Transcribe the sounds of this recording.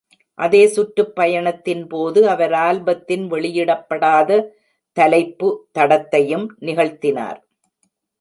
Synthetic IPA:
ʔɐðeːsʊʈɾɯpːɐjɐɳɐt̪ːɪnpoːðɯɐʋɐɾaːlbɐt̪ːɪnʋɛɭɪjɪɽɐpːɐɽaːðɐ | t̪ɐlɐɪpːɯt̪ɐɽɐt̪ːɐjɯmnɪɣɐɭt̪ɪna̰ːɾ

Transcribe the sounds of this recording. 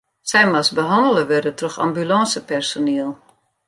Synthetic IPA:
sɛjmasbəɦɑndələʋɪrdətrɔxa̰mbylɔsəpɛrsoneːəlˠ

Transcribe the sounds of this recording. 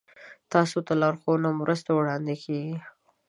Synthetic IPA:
t̪ɑsot̪alɑɾxonamɾəst̪awɽɑnd̪ekʰeɡi

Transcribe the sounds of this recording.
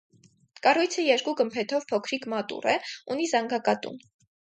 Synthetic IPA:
kɑrujt͡sʰəjɛɾkuɡəmpʰɛt̪ʰɔvpʰɔkʰɾikmɑt̪ṵrɛunizɑŋɡɑkɑt̪ṵm

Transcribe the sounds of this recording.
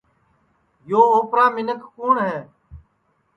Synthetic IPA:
joːoːpɾaːmɪnəkkuːɳɦɛː

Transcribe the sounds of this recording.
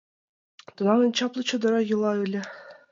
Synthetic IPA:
t̪ɤ̆nɑnɤ̆nʲt͡ɕɑplˠɤ̆t͡ɕɤ̆d̪ɤ̆ɾɑjɯ̆lˠɑɯlʲɘ̆

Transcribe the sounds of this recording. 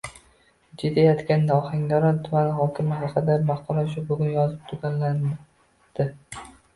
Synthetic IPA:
d͡ʒet̪ʰajɒt̪kʲanːɒhaŋd̪ɒɾɒnt̪ʰʊmanɪɦɒkʲʰɪmɪɦɑqʰɨd̪amɑχqɒlˠɒʃ̬ʊbʊɡʲʊnjɒzɪp̚t̪ʰʊɡʲanla | d̪̥ɪ

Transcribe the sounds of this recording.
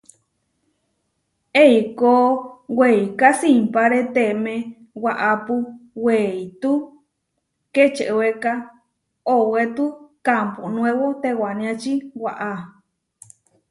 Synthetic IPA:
eikoweikasimpaɾet̪emẽ | waʔapuweit̪u | ket͡ʃeʔweka | owet̪ukamponw̃ẽwot̪ewanĩãt͡ʃiwaʔa

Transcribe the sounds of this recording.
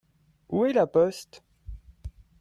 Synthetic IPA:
uɛlapɔst̪

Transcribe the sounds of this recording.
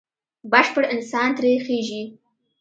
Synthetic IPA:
bəʃpəɽɪnsɑnt̪ɾexeʒi

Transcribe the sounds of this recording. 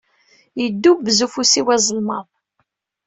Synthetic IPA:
jəd̪ːubzufusiwæzˤəlmɑðˤ

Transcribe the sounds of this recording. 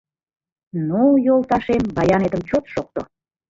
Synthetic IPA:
nujolˠt̪ɑʃembɑjɑned̪əmt͡ɕot̪ʃok̚t̪o̰

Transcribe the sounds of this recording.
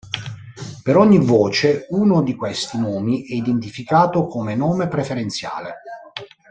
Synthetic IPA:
peɾɔɲːivɔːt͡ʃeuːnod̪ikwɛst̪inɔːmiʔɛid̪ent̪̬ifikaːt̪okomenɔːmepɾefeɾent̪sja̰ːlḛ

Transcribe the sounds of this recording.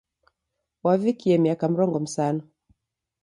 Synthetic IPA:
wavikiɛmiakam̩ɾɔŋɡɔm̩sanɔ

